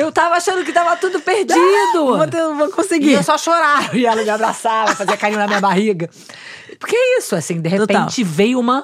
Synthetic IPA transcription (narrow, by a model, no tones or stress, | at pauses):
ewt̪avɐaʃɐ̃nd̪ʊk̬ɪt̪avɐt̪ud̪ʊpeɾd͡ʒid̪ʊvot̪ẽvõkõsɪɡiewsɔʃoɾaɾɐ̃ɪɛlɐmɪabɾasavofaziɐkaɾĩɲʊnɐmĩɲɐbaɦiɡɐ | pokeɛisʊasĩd̪eɦeotpẽt͡ʃɪvejũmɐ